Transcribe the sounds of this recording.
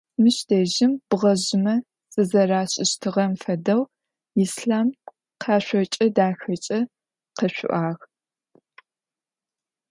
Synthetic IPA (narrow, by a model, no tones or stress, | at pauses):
mɨɕd̥eːʒɪmb̥ɨʁɐʑɪmɐ | z̥ɨzɐraːɕʼɪɕtʰɨʁɐmfɐdɐw | isɬaːm | qʰɑːɕʷɔt͡ʃʼɐdaːxɐt͡ʃʼɐ | qɐɕʷʊ̰ʔaːʁ